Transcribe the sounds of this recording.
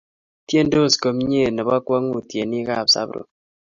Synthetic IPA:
tje˦ndo˦˨sko˨m˦ɲe˦˨nɛ˨βa˦kwa˦ŋu˦˨tje˨ni˦ka˦˨psa̰˦bɾo̰˨

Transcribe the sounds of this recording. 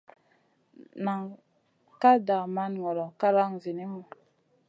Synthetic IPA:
na˨ŋ | ka˦da˨ma˦nŋɔ˨lɔ˨ka˦la˦ŋzi˨ni˦mu˨

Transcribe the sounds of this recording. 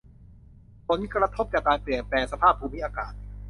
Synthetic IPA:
pʰo˨˦nkɾa˧t̪ʰo˦˥p̚t͡ɕaː˨˩kːaː˧npli˨˩ənplɛː˧ŋsa˧pʰaː˥˩pʰːuː˧mi˦˥ʔaː˧kaː˨˩t̪̚

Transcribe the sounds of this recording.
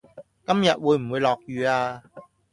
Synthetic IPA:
kɐ˥mjɐ˨t̚wuː˨˧jm̩˨˩wu˨˧jlɔː˨˩k̚jyː˨˧aː˧

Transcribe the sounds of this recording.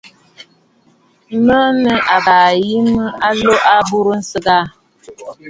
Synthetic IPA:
mə˦nə˦ʔa˨ba˨ji˦mə˦a˦lo˦ʔa˦bu˦ɾə˦n̩˦sə˦ɡa˦

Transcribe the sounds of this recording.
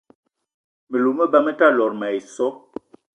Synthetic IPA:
mə˨lo˨mə˦ba˦mə˦ta˦lɔ˨ɾma˨i˨sɔ˦

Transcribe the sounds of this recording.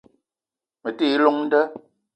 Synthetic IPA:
mə˨ti˦lɔ˦ŋn̩˦də˦

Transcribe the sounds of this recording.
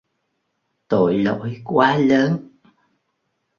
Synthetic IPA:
t̪o̰˧˨jlo̰˧˦jkwaː˨˦ləː˨˦n

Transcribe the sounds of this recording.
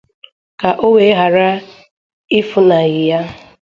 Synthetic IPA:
ka˨ʔo˦we˦ɦa˨ɾa˦ | ɪ˦fʊ˨na˨ɣɪ˨ja˦

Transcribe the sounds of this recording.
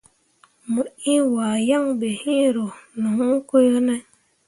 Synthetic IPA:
mə˨i˦waː˨ja˦ŋbe˨hi˦ɾo˨nu˨hu˦ko˦jo˦nɛ˦

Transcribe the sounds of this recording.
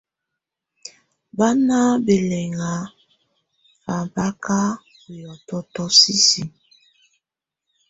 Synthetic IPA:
ba˦na˦be˨lɛ˨ŋa˨˦ | fa˨ba˦ka˦ | u˨jɔ˨tɔ˦tɔ˦si˦si˨

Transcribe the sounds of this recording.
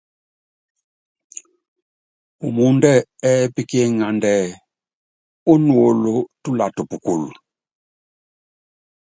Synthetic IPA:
u˨mu˦ndɛ˦˨ɛ˦pi˦ke˦ŋa˨ndɛ˦˨ | o˦nu˨o˨lo˦tu˦la˨to˨pu˨ku˨l

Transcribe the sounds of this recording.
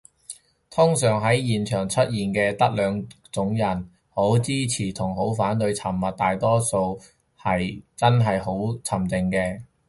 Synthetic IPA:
t̪ʰʊ˥ŋsœː˨˩ŋɦɐ˨˥jjiː˨nt͡ʃʰœː˨˩ŋt͡sʰɵ˥t̚jiː˨˩nkɛː˧t̪ɐ˥k̚lœː˨˧ŋ | t͡sʊ˨˥ŋjɐ˨˩n | ho˨˥wt͡siː˥t͡sʰiː˨˩t̪ʰʊ˨˩ŋɦo˨˥wfaː˨˥nt̪ɵ˧ɥjt͡sʰɐ˨˩mːɐ˨t̚t̪aː˨jt̪ɔː˥so˧w | hɐ˨jt͡sɐ˥nɦɐ˨jho˨˥wt͡sʰɐ˨˩mt͡sɪ˨ŋkɛː˧

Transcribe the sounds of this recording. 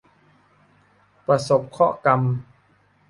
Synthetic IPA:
pɾa˧so˨˩p̚kʰɔ̰˦˥˩ka˧m

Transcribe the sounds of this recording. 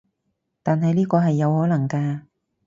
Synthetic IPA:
t̪aː˨nɦɐ˨jliː˥kɔː˧ɦɐ˨jːɐ˨˧whɔː˨˥lɐ˨˩ŋkaː˧

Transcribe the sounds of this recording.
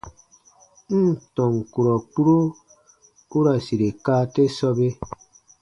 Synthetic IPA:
n̩˦˨tɔ˨ŋ˨ku˨ɾɔ˨k͡pu˦ɾo˦ | u˦ɾa˨si˨ɾe˨ka˦te˦sɔ˦be˦

